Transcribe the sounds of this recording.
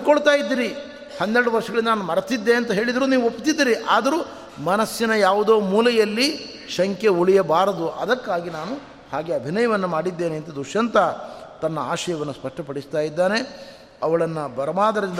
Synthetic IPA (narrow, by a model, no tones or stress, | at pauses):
koɭt̪aːjid̪ːiːɾi | hɐnːɛɾɽuʋɐɾʂɐɡɐɭind̪ɐnaːnumɐɾɐt̪id̪ːe̞ɐnt̪ɐɦe̞ːɭid̪ɐɾuːniːʋuopːt̪id̪ːiːɾiʔaːd̪ɐɾuː | mɐnɐsjinɐjaːʋud̪o̞ːmuːlɐjɐlːi | ʃɐŋkeuɭijɐbaːɾɐd̪uʔɐd̪ɐkːaːɡinaːnu | haːɡe̞ɐbʱinɐjɐʋɐnːumaːɽid̪ːe̞ːneɐnt̪ɐd̪uʂɐnt̪ɐt̪ɐnːɐaːʃɐjɐʋɐnːuspɐʂʈɐpɐɽist̪aːjid̪ːaːne̞ | ɐʋɐɭɐnːɐbɐɾɐmaːd̪ɐɾɐɾind̪